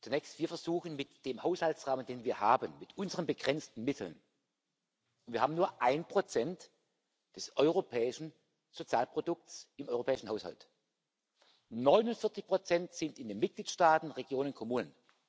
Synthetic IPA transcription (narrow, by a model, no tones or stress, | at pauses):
t͡sunɛçstv̥iːɐfɛɐzuːxən̩mɪtd̥eːmhaʊshaltsʁaːməndeːnviːɐhaːbənmɪtʔʊnzəʁənbəɡʁɛnt͡stn̩mɪtʰl̩n | ʊntv̥iɐhaːbm̩nuːɐʔaɪnpʁ̥ot͡sɛnt | d̥ɛsʔɔʏʁopʰɛːɪʃn̩ | z̥ot͡sjaːlpʁ̥odʊk̚tsɪmʔɔʏʁopʰɛːɪʃn̩haʊsha̰lt | nɔʏnʊnfɪɐt͡sɪçpʁ̥ot͡sɛntz̥ɪntɪndeːnmɪt̚ɡ̥liːtʃtaːtn̩ʁeɡjoːnʊnkʰomuːnən